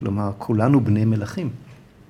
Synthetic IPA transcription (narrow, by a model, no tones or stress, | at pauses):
lomaʁkʰulanubne̞jmelaχim